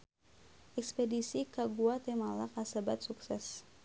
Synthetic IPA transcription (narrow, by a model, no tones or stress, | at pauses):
ʔɛkspɛdisikaɡuat̪emalakasabat̪̚suksɛs